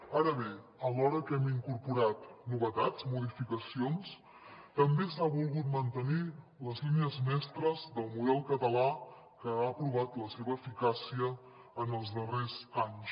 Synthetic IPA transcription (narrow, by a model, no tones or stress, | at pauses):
aɾəβe | əlɔɾəkɛmiŋkuɾpuɾat̪nuβət̪at͡smuð̞ifikəsions | t̪əmbesaβulˠɣut̪̚mənt̪əni | ləzliniəzmɛst̪ɾəzðəlˠmuðɛlˠkət̪əla | kəaəpɾuβ̞at̪ləseβəːfikasiə | ənəlˠzðərezaɲs